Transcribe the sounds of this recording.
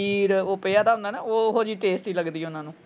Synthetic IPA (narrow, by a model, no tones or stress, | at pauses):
iːɾoːpeːaːt̪aːʊ̃nd̪aːnaːoːɦoːd͡ʒiːʈeːsʈiːləɡd̪iːɛʊnãːnũː